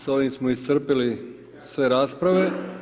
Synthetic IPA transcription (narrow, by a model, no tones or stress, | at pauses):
so̞ʋimsmoist̪r̩pili | sʋe̞ɾaːspɾaʋe̞